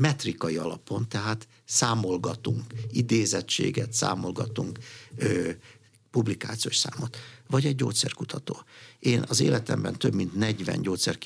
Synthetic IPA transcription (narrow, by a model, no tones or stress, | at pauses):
mɛt̪rikɒiɒlɒpo̞nt̪ɛɦaːt̪ | saːmo̞lɡɒt̪uŋkid̪eːzɛtt͡ʃḛːɡɛt̪sa̰ːmo̞lɡɒt̪uŋkø | publikaːt̪sijoʃsa̰ːmot̪vɒɟɛɟːoːt̪sɛrkut̪ʰɒt̪oːeːnʔɒzḛːlɛt̪ɛmbɛnt̪ø̞bmint̪nɛɟvɛ̰nɟoːt̪sɛr